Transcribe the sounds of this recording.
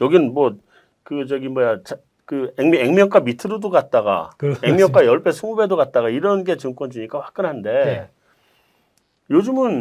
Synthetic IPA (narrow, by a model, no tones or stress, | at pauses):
jʌɡinɯnmwʌ | kɯd͡ʑʌɡinmʌjat͡ɕa | kɯeŋmeŋmjʌŋk͈wamitʰɯɾɯdoɡat̚t͈aɡa̰eŋmjʌŋk͈wajʌɭpʰe̞sʰumube̞doɡat̚t͈aɣaiɾʌnɡe̞t͡ɕɯŋkwʌnd͡ʑuɲik͈aɸwḁk̚k͈ɯnɦande̞ | jod͡ʑɯmɯn